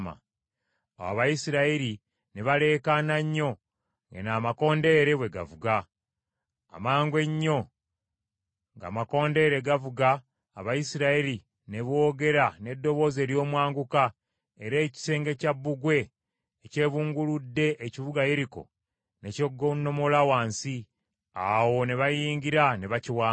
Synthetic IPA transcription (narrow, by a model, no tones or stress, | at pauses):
ma̰ | a̰wa̰βajisiɾaiɾi | neβale̞ːkanaɲːo̞ | ŋɡḛnaːmako̞ːnde̞ːɾe̞βwe̞ɡa̰vuɡa | maːŋɡwe̞ɲːo̞ | ŋɡa̰ːmako̞ːnde̞ɾe̞ɡavuɡaː | βajisiɾaiɾi | ne̞βo̞ːɡe̞ɾane̞dːo̞βo̞ːze̞ːɾjo̞ːmwaːŋɡuka | eɾe̞ːci̥se̞ːŋɡecabːuɡwe̞ː | ce̞ːβuːŋɡuludːe̞ʔːcivuɡajeɾiko̞̰ | ne̞coɡonːo̞mo̞lawaːnsi | awone̞βajiːŋɡiɾaneβaciwaː